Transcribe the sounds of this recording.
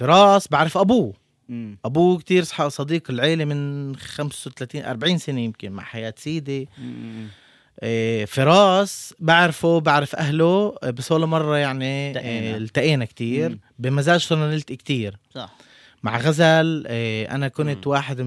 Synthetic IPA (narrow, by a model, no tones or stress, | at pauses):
fɪɾˤɑːsbaʕɾɪfʔabuː | ʔabuːkt̪iːɾsˤħɑʔsˤɑd̪iːqɪlʕeːlemɪnxamsawt̪alaːt̪iːnʔɑ̰ɾˤbaʕiːnsɪnejɪmkɪnma̰ʕħajaːt̪siːd̪e | fɪɾˤɑːsbaʕɾfubaʕɾɪfʔaɦlobɪsˤoːlmɑrˤːɑjaʕni | lt̪aʔeːnakt̪iːɾbɪmazaːʒsˤʊnanɪlt̪kt̪iːɾ | ma̰ʕɣazalʔa̰nakʊnt̪waːħɪd̪